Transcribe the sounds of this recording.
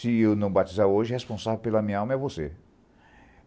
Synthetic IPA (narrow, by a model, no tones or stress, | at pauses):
ɪewnɐ̃w̃bat͡ʃizaɾoʒɪhespõsavewpelɐmĩɲɐawmɐɛvose